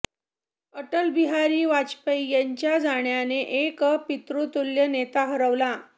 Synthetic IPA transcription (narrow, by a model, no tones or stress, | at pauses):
əʈəlbiɦaɾiːʋat͡ɕpəjjaɲt͡ɕjad͡zaɳjaneʔekpit̪ɾot̪uljənet̪aɦəɾəʋla